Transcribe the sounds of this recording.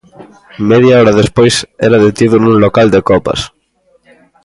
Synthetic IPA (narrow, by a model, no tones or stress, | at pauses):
meðjaɔɾaðespojsɛ̰ɾaðet̪iðunũnlokald̪ekɔpɐ̰s